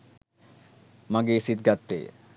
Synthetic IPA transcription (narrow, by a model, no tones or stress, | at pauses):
maɡesit̪̚ɡat̪ːḛ